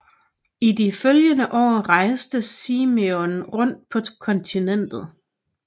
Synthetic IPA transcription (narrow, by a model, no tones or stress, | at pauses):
idiføljənəʔɒ̰ːʁɑ̈ɪsd̥əsiːmeonʁɔ̽n̰d̥̚pʰɒ̽kʰɒ̽nt͡sʰinen̰d̥ð̩ˠ